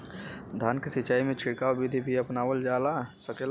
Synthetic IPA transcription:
d̪ʱaːnkesit͡ʃaːimẽt͡ʃʰiɽkabid̪ʱibʱiəpnaːwəld͡ʒaːlasəkel

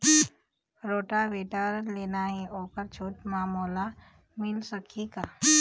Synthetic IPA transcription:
ɾoːʈaʋeːʈaːɾənleːnaɦɛoːkəɾt͡ʃʰoːʈmaːmoːla | mɪlsəkʰikaː

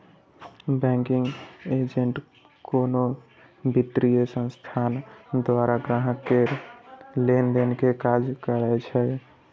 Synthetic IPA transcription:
bɛ̃ŋkiŋɡed͡ʒeɳʈ | kono | bʱiʈ̪ːɾijesə̃nst̪ʰand̪waɾaɡɾaɦəkːe | lenlenkekad͡ʒkəɾɛt͡ʃʰɛ

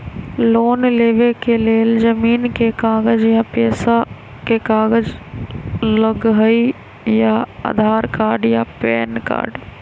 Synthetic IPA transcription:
loːnleːʋekeleːld͡ʒəmiːnkekaːɡəd͡ʒjapeːsa | kekaːɡəd͡ʒ | ləɡɦəi | jaa̰ːd̪ʱaːɾkaːɾɖjapɛːnka̰ːɾɖ

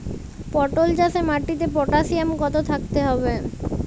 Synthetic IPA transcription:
pɔʈold͡ʑasemaʈːit̪̬epɔʈasiamkɔt̪ot̪ʰak̚t̪eɦɔbe

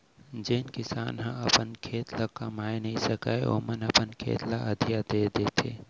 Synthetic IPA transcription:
d͡ʒeːnkɪsaːnɦə̃əpənkʰeːt̪lakəmaːenəisəka̰ːeo̰mənəpənkʰḛːt̪laʔəd̪ʱijad̪eːd̪eːt̪ʰḛː

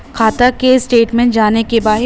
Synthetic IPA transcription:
kʰaːt̪akesʈeːʈmɛ̃ɳʈ̚d͡ʒaːnekebaːɦɪ

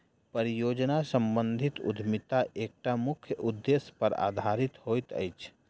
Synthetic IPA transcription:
pəɾijoːd͡ʒnasəmbə̃nd̪ʱit̪ʊ̰d̪ʱmɪt̪aʔeːk̚ʈamʊkʰjəʔʊd̪ːespəɾa̰ːd̪ʱaɾɪt̪hoːjt̪ə̰jt͡ʃʰ

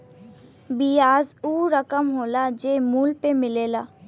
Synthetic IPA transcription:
bijaːzuːɾəkəmɦoːlad͡ʒeːmuːlpemɪleːlaː

